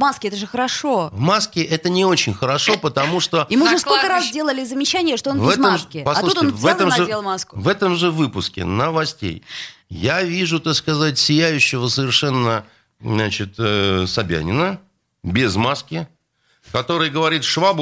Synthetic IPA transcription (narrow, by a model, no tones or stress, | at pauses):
maskʲɛt̪əʐɨxəɾɐʂo̞vmaskʲɪʔɛt̪ənʲɪo̞t͡ɕɪnʲxəɾɐʂo̞pət̪ɐmuʂt̪o̞imɨʐɛskkolʲkəɾasdʲelˠəlʲɪzəmʲɪt͡ɕːænʲɪjəʂt̪oonvɛəmkʲɪpɐsat̪ˠuuʂt̪onʲvɛlˠəmʲelˠmaskʊvɛt̪əmʐɨvɨpʊskʲɪ̰nəvɐsʲtʲḛjjavʲiʐʊt̪akskɐzat̚ʲsʲɪjæjʉɕːɪvəsəvʲɪrʂɛnːə | nat͡ɕɪt̪ːsɐbʲæ̰nʲɪnə | bʲɪzmaskʲɪ | kɐt̪o̞ɾɨjɡəvɐɾʲit̪ʂvab